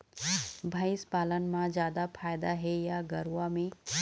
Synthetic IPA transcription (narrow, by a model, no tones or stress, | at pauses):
bʱaɪspaːlənmãd͡ʒjaːd̪apʰaːjd̪aɦɛjaɡɐɾwamẽ